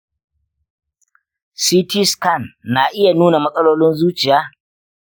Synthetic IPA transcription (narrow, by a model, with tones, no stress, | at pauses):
siː˦ti˦skɐ˦˨nːaː˨ʔɪ˦ja˨nuː˦na˨mɐ˦sʼɐ˦loː˦lɪ˦nzuː˦t͡ʃɪ˨jaː˦